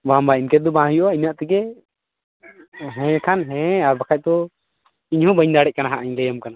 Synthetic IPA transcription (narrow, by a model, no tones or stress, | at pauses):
bambainkɛt̪̚d̪ɔbãɦũjɔʔaiɲaʔt̪iɡɛ | ɦɛ̃kʰanɦɛ̃aɾbakʰac̚ˀt̪ɔ | iɲhɔ̃bəɲd̪aɽɛʔc̚kanaɦaʔaɲlɛjamkana